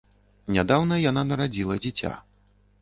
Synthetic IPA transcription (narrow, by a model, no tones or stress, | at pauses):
nʲad̪awnɐjananɐɾad͡zʲilˠɐd͡zʲɛt͡sʲa̰